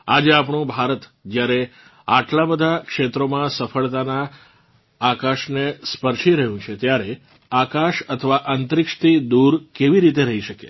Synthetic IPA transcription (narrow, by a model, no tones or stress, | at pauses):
ad͡ʒeap̬ɳ̃ũbʱaɾət̪d͡ʒjaɾe | aʈlabəd̪ʱakʃet̪ɾomãsəfəɭt̪anaː | kaʃnespəɾʃiɾəɦjũt͡ʃʰet̪jaɾe | akaʃət̪ʰəʋaʔənt̪ɾɪkʃə̥t̪ʰid̪uɾkeʋiɾit̪̬eɾəɦiʃəkḛ